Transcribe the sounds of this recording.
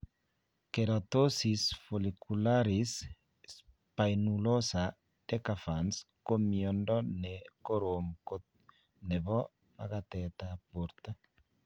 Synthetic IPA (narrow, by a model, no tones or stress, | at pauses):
keɾat̪osisfolikulaɾis | s | pajnulosa | dekafans | komjondɔnekoɾomko | neβɔ | ma̰ɣat̪ɛt̪apuɾt̪a